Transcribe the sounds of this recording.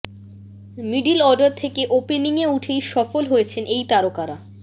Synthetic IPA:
miɖilɔɾɖaɾt̪ʰekeʔopeniŋeuʈʰejʃɔfolɦojet͡ɕʰenʔejt̪aɾokaɾa

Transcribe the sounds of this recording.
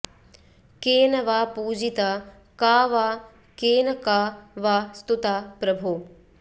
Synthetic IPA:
keːnɐʋaːpuːd͡ʒit̪a | kaːʋaː | keːnɐkaːʋaːst̪ut̪aːpɾɐbʱuː

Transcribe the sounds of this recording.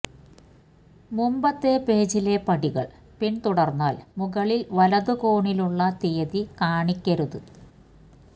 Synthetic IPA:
mumbɐt̪ːe̞peːt͡ɕile̞pɐɽiɣɐɭ | pint̪uɽɐrnːaːlmuɣɐɭilʋɐlɐðuko̞ːɳiluɭːɐt̪eːðikaːɳikʲːɐɾuðɨ

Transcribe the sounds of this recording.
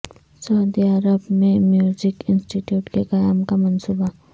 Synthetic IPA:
saʊd̪iɐɾəbmemjuzikɪnsʈiʈjuʈkekajamkamɐnsuba

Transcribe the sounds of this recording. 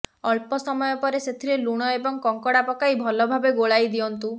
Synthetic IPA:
ɔɭpɔsɔmɔjɔpɔɾeset̪ʰiɾeluɽ̃ɔebɔŋkɔŋkɔɽapɔkaibʱɔlɔbʱabeɡoɭajd̪iɔnt̪u

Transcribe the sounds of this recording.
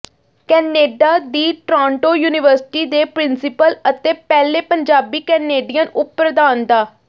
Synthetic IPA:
kɛːneːɖaːd̪iːʈɾãːɳʈoːjuːnɪʋəɾsɪ̥ʈiːd̪eːpɾɪnsɪpələt̪eːpɛːleːpəɲd͡ʒaːbiːkɛːneːɖijənʊpːəɾd̪aːnd̪aː

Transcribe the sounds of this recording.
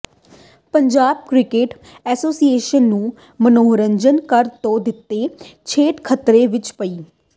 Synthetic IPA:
pəɲd͡ʒaːb̚kɾɪkeːʈ | ɛːsoːsieːʃənːũː | mənoːɾəɲd͡ʒənkəɾt̪õːd̪ɪt̪ːeːt͡ʃʰeːʈkʰət̪ɾeːʋɪt͡ʃpəiː

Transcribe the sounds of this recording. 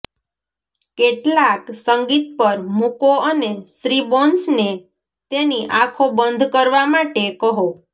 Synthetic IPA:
keʈlaksəŋɡit̪̚pəɾmukoənesɾibɔnsne | t̪eniʔakʰobənd̪ʱkəɾʋamaʈekəɦo

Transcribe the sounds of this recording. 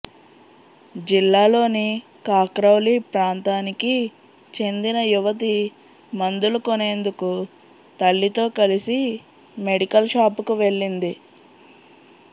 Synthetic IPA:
d͡ʒilːaːlo̞ːni | kaːkɾɐwlipɾaːnt̪aːniki | t͡ʃe̞nd̪inɐjuʋɐt̪̬i | mɐnd̪ulukone̞ːnd̪uku | t̪ɐɭːit̪o̞ːkɐlisi | me̞ɽikɐlʃaːpukuʋe̞ɭːind̪i

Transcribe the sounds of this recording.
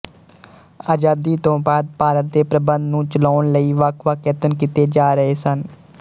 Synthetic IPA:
aːd͡ʒaːd̪iːt̪õːbaːd̪̚paːɾət̪̚d̪eːpɾəbənd̪nũːt͡ʃəloːɳləiːʋaːkʰʋaːkeːt̪ənkit̪eːd͡ʒaːɾəɦeːsən

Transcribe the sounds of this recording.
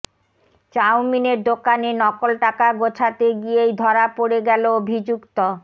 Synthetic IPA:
t͡ɕawmineɾd̪okanenɔkolʈakaɡot͡ɕʰat̪eɡijejd̪ʱɔɾapoɽeɡɛloobʱid͡ʑukt̪o

